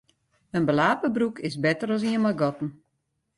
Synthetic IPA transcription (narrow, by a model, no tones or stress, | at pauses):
ənbəlaːpəbrukʰɪsbɛtəɾɔs̬iənmɔlɡɔtn̩